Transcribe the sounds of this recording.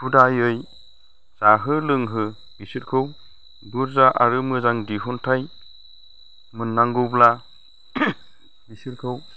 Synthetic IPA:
pudajɯj | z̥aɦɯlɯŋɦɯ | b̥isit̚kʰɯw | buɾzaʔaɾɯmɯzaŋdiɦuntʰaj | mɯnːaŋɡɯwbla | bisiɾ̚kʰɯw

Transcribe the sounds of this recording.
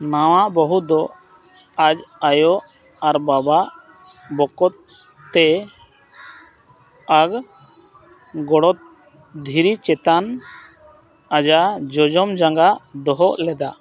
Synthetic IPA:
nawaʔbɔɦud̪ɔ | ad͡ʒajɔʔ | aɾbabaʔ | bɔkɔt̪̚ː | ɛ | aɡ | ɡɔɽɔt̪̚ | d̪ʱiɾit͡ʃɛt̪an | ad͡ʒad͡ʒɔd͡ʒɔmd͡ʒaŋɡad̪ɔɦɔʔlɛd̪a

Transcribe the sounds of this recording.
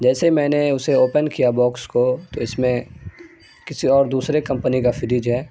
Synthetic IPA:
d͡ʒɛːseimɛ̃ːneʊseoːpənkijabɔːkskot̪oɪsmẽ | kɪsiɔːɾd̪uːsɾekɐ̃mpənikafɪɾɪd͡ʒɦɛː

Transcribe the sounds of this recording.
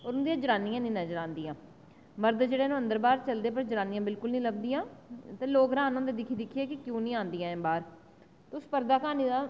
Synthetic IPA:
oːɾʊnd̪ijãːd͡ʒəɾãːnĩjãːnĩːnəd͡ʒəɾãːnd̪ijãː | məɾd̪d͡ʒeːɽeːnũːə̃nd̪əɾbaːɾt͡ʃəld̪eːpəɾd͡ʒəɾãːnijãːbɪlkʊlnĩːləb̚d̪ijãːt̪eːloːkɾãːnõːd̪eːd̪ɪkʰiːd̪ɪkʰːieːkɪkjũːnĩːãːnd̪ijãːɛ̃ːbaːɾ | t̪ʊspəɾd̪aːkaːniːd̪aː

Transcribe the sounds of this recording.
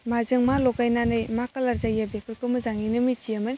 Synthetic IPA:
mazɯŋmalɔkajnanɯjmakalaɾzajabekɯlkɯmɯzaŋinɯmit͡ʃiamɯn

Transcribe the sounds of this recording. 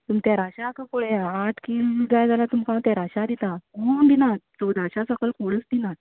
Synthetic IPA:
t̪umt̪jaɾaɕakəkoɽeaaʈʰkild͡zajd͡zalat̪umkãt̪aɾaɕad̪it̪aond̪inat͡sod̪aɕasəkəlkoɽəsd̪inat̪

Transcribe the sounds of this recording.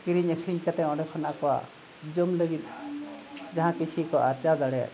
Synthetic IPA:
kiɾiɲəkʰɾiɲkat̪ɛɔ̃ɖɛkʰɔna̰ʔkɔwa̰ | d͡ʒɔmləɡit̪̚ | d͡ʒaɦãkit͡ʃʰikɔʔaɾt͡ʃadaɽɛja̰ʔ

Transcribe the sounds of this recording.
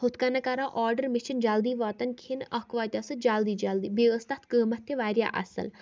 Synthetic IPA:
hʊt̪kanakaɾãʔɔːɾɖəɾmɪʃind͡ʒaːld̪iːʋaːt̪ɐnkʰinɐkʰʋaːt̪ʲɐsɨd͡ʒaːld̪iːd͡ʒɐld̪ibeʋəst̪at̪ʰkəːmɐt̪ʰːeʋaːɾja̰ʔɐ̰sə̰l

